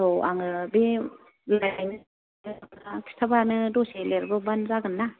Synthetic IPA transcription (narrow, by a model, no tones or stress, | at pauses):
oʔaŋɯbi | lajnɯ | nakʰi̥stʰabanɯdoseleɾbɐbanzaɡɯnːa